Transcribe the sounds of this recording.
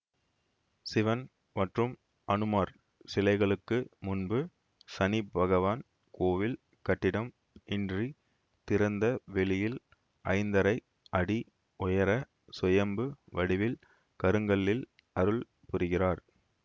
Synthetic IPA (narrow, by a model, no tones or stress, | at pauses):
sɪʋɐn | mɐʈrɯm | ʔɐnɯmaːɾ | sɪlɐɪɣɐɭɯkːɯmʊnbɯ | sɐnɪbʱɐɣɐʋaːn | koːʋɪl | kɐʈːɪɽɐm | ɪndri | t̪ɪɾɐnd̪ɐʋɛɭɪjɪl | ʔɐ̰ɪnd̪ɐɾɐɪ | ʔɐɽi | ʊjɐɾɐ | sʊjɐmbɯʋɐɽɪʋɪl | kɐɾɯŋɡɐɭːɪl | ʔɐɾɯɭ | pʊɾɯɣɪraːɾ